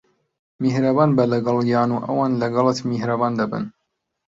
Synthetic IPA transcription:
mihɾabaːnbɐlɐɡɐlˠjɑːnuːʔɐ̰waːnlɐɡɐlˠɨt̪mihɾabaːnd̪ɐbɨ̰n

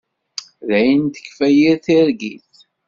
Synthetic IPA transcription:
ðæjənt̪ə̥kːfæjiɾθiɾɡiθ

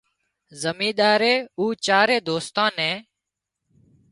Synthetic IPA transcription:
zəmĩːɗ̪aːɾeːuːt͡ʃaːɾeːd̪oːst̪ãːnɛ̃ː

